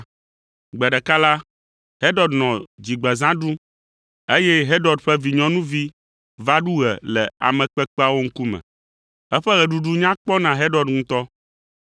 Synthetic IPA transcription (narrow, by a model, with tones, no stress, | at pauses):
ɡ͡bɛ˨ɖɛ˨ka˦la˦ | he˦ɖɔ˨dnɔ̃˨d͡ʑi˨ɡ͡bɛ˨zã˦ɖu˦ | e˦jɛ˦ɦe˦ɖɔ˨ɖɸɛ˦vi˨ɲɔ̃˨nũ˦vi˦ | va˦ɖu˦ɣɛ̰˨lɛ˨a̰˨mɛ̃˨k͡pɛ˦k͡pɛ˦a˦˨wo˦ŋ̩˦ku˦mɛ̰̃˨ | ɛ˦ɸɛ˦ɣɛ˨ɖu˦ɖu˦ɲã˦k͡pɔ˦nã˨ɦe˦ɖɔ˨dŋũ˦t̪ɔ˦